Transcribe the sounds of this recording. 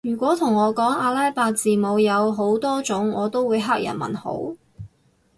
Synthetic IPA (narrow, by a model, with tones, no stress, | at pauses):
jyː˨˩kʷɔː˨˥t̪ʰʊ˨˩ŋɔː˨˧kɔː˨˥ŋaː˧laː˥jpaː˧t͡siː˨˧mo˨˧wjɐ˨˧wɦo˨˥wt̪ɔː˥t͡sʊ˨˥ŋɔː˨˧t̪o˥wuː˨˧jɦaː˥k̚jɐ̰˨˩nmɐ̰˨˩nho̰˨˥w